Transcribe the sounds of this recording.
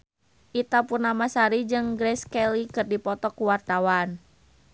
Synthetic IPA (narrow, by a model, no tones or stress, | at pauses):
ʔit̪apurnamasaɾid͡ʒɨŋɡɾɛskɛlikɨrdipɔt̪ɔkuwart̪awan